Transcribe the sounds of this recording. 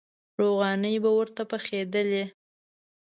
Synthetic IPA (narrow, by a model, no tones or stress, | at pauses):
ɾoɣɑnəjbawəɾt̪apəxed̪əle